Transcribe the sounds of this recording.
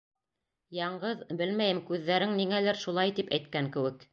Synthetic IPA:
jɑɴɢɤðbɘlmæjɘmkʉðːæɾɘŋniŋælæɾʃulˠɑjt̪ipæjt̪̚kæŋkɘ̆wɘk

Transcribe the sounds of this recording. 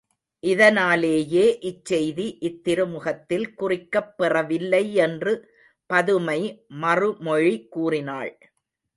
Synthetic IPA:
ʔɪðɐnaːleːjeːʔɪt͡ʃːɛjðiʔɪt̪ːɪɾɯmʊɣɐt̪ːɪlkʊrɪkːɐpːɛrɐʋɪlːɐɪɛndrɯ | pɐðɯmɐɪmɐrɯmɔɻikuːrɪna̰ːɭ

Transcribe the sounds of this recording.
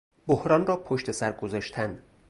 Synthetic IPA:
bohɾɒːnrɒːpʰoʃt̪ʰe̞sæɾɡozɒːʃt̪ʰænd̪

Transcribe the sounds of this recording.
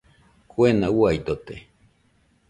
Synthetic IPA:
kuenawajd̪ot̪e

